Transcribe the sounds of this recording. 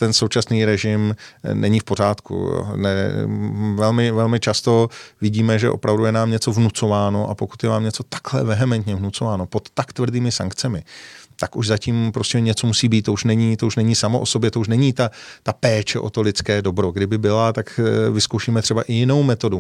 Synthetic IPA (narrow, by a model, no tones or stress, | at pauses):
t̪ɛnso̞wt͡ʃasniːɾɛʒɪmnʔɛɲifpo̞r̝aːt̪kṵnɛ̰ | vɛlmɪvɛlmɪt͡ʃast̪o̞vɪɟiːmɛʒɛ̰ʔo̞̰pɾavdujɛnaːmɲɛt͡so̞vnut͡so̞vaːno̞ʔa̰po̞kut̪jɛnaːmɲɛt͡so̞t̪ḁklɛ̰vɛɦɛmɛnt̪ɲɛvnut͡so̞vaːno̞po̞t̪ːakt̪vr̩diːmɪsa̰ŋkt͡sɛmɪt̪akuʒzaciːmpɾoscɛɲɛt͡so̞musiːbiːt̪t̪ːouʃnɛɲiːt̪o̞uʃnɛɲiːsamoʔoso̞bjɛt̪o̞uʃ̬nɛɲiːt̪at̪apɛːt͡ʃɛʔo̞t̪o̞lɪt͡skɛːdo̞bɾo̞ɡdɪbɪbɪlat̪akvɪskowʃiːmɛt̪r̥ɛbaʔɪjɪno̞wmɛt̪odu